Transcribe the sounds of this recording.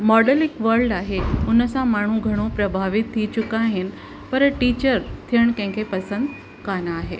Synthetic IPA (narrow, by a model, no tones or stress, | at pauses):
mɔɖəlikʋəɾlɖaɦeunəsamaɳ̤ũɡʱəɽ̃ũpɾəbʱaʋit̪ʰːit͡ɕukaɦin | pəɾʈit͡ɕəɾt̪ʰjəɳkɛ̃ŋkʰepəsənd̪ | kanaːɦḛ